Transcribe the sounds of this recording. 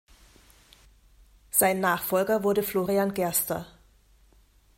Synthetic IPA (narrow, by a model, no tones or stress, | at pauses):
z̥aɪnːaːχfɔlɡɐvʊɐɾəfloːʁianɡɛɐstɐ̰